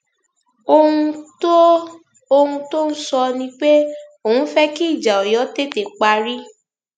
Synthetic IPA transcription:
o˧hũ˧to˦ | o˧hũ˧to˦n̩˦sɔ˧nĩ˧k͡pe˦o˨hũ˧˦fɛ˦ki˦˨d͡ʒa˨ɔ˨jɔ˨˦te˦˨te˨k͡pa˧ɾi˦

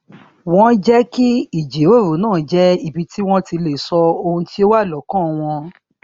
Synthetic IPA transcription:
w̃ɔ̃˦d͡ʒɛ˦ki˦i˦˨d͡ʒe˨˦ɾo˦˨ɾu˨˦nãː˦˨˦d͡ʒɛ˦i˦˨bi˨˧ti˦w̃ɔ̃˦ti˧le˨sɔ˧o˧hũ˧ti˦o˦wa˦˨lɔ˨˦kã˦˨w̃ɔ̃˧

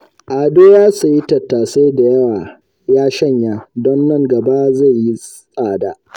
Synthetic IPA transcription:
ʔaː˨doː˦jaː˦su˨ji˦tɐ˨tːaː˨sa˦jda˨jɐ˦waː˨ | jaː˦ʃɐ˦˨ɲjaː˦dɔ˦nːɐ˦ŋɡɐ˨ba˦za˦˨jji˦ | sʼaː˦˨daː˨

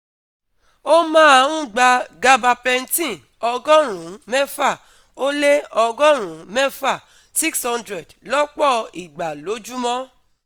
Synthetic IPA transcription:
o˦mãː˦a˧˨ɾũ˦˨ɡ͡ba˧ɡa˧ba˧pɛ˧n̩˦tĩ˦˨ | ɔ˧ɡɔ˦ɾ̃ũ˨˦mɛ˦fa˦˨ | o˦le˦ɔ˧ɡɔ˦ɾ̃ũ˨˦mɛ˦fa˦˨ | si˦kshɔ̃˧ndɾɛ˨dlɔ˦k͡pɔ˦˨i˨ɡ͡ba˨lo˨˦d͡ʒu˦mɔ̃˦

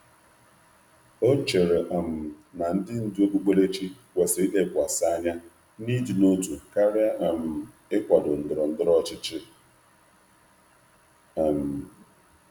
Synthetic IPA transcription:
o˦t͡ʃe˨ɾe˨ʔa˨m̩˨na˨n̩˦dɪ˦n̩˦dɪ˦o˦ɡ͡bu˦ɡ͡be˦le˦t͡ʃi˦kʷe˨sɪ˨˦ʔe˦kʷa˨sa˦ɲa˦ | ni˦di˨no˦tu˨ka˦ɾɪ˦a˦ʔa˨m̩˨ | ɪ˦kʷa˨dʊ˨n̩˨dʊ˨ɾɔ˨n̩˦dʊ˦ɾɔ˦t͡ʃɪ˦t͡ʃɪ˦˨ | m̩˨

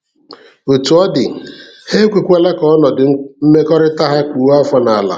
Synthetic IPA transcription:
o˨tu˨ɔ˦dɪ˨ | he˦kʷe˨kʷe˦le˦kɔ˦nɔ˨dʊ˨˦m̩˦me˦kɔ˦ɾɪ˦ta˦ɦa˦kʷu˨˦a˦fɔ˦na˨a˨la̰˨

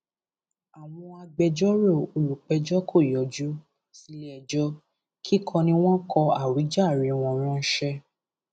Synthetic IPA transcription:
a˨w̃ɔ̃˧a˧ɡ͡bɛ˧d͡ʒɔ˦ɾo˦˨o˨lu˨k͡pɛ˧d͡ʒɔ˦kʰo˦˨jɔ˨d͡ʒu˨˦ | si˨˦lɛ˧˨d͡ʒɔ˦ | kʰi˦kʰɔ̃˧nĩ˧w̃ɔ̃˦kʰɔ˧a˦˨ɾi˨˦d͡ʒa˦˨ɾi˨˦w̃ɔ̃˧ɾ̃ã˦ʃɛ˦

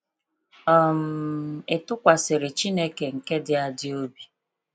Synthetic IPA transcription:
ɔ˨m̩˦˨ɪ˨tʊ˦kʷa˨sɪ˨ɾɪ˨t͡ʃi˦ne˦ke˨ŋ̩˨ke˦dɪ˦a˦dɪ˦o˦bi˨

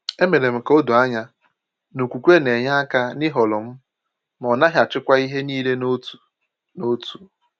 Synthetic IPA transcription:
e˦me˨ɾe˨m̩˨ko˦du˨a˦ɲa˦ | no˨kʷu˨kʷe˦ne˨ɲa˦a˦ka˦nɪ˦ɦɔ˨lʊ˨m̩˦ | m˨ɔ˨na˦ɦja˨t͡ʃɪ˦kʷa˦i˦ɦe˦niː˦le˦n˦tu˨ | no˦tu˨

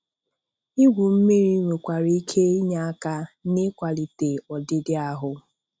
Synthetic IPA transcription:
i˦ɡʷu˨m̩˦me˦ɾi˦ŋʷe˨kʷa˨ɾi˦i˦kʰe˦i˦ɲa˦a˦ka˦ne˦kʷa˨li˨te˨ɔ˨dɪ˦dɪ˦a˦ɦʊ˦

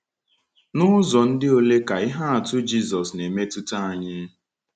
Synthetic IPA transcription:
nʊ˦zɔ˨n̩˦dɪ˦o˦le˦ka˨ɪ˦ɦa˦a˨tʊ˦d͡ʒi˦zɔ˨sne˨me˦tu˦ta˦a˨ɲɪ˦

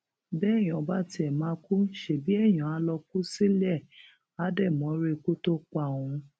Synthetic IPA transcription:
bɛ˦˨j̃ĩ˨ɔ˨˧ba˦ti˧˦ɛ˨mã˧˦ku˦ʃe˨bi˨˦ɛ˦˨j̃ã˨a˧˦lɔ˧ku˦si˦lɛ˦˨ | a˨˦dɛ˦˨mɔ̃˨˦ɾe˦˨˧ku˦to˦k͡pa˦˨w̃ũ˧

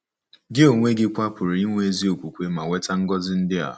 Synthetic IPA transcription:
ɡɪ˦o˨ŋʷe˦ɡɪ˦kʷa˦pʊ˨ɾi˨i˦ŋʷe˦e˦zi˦o˨kʷu˨kʷe˦ma˨we˦ta˦ŋ̩˦ɡɔ˦zɪ˦n̩˦dɪ˦a̰˨

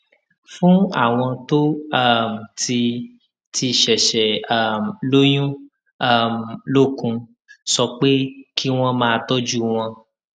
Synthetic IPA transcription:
fũ˦a̰˦˨w̃ɔ̃˧to˦a˦˨m̩˨ti˧ | ti˧˨ʃɛ˨ʃɛ˨a˦˨m̩˨lo˦j̃ũ˦ | a˦˨m̩˨lo˦˨kũ˧ | sɔ˧k͡pe˦ki˦w̃ɔ̃˦mãː˦˧tɔ˦d͡ʒu˦w̃ɔ̃˧

